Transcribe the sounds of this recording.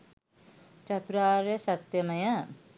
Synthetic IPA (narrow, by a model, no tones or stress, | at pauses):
t͡ʃɐt̪uɾaːɾjesɐt̪jɐmɐjɐ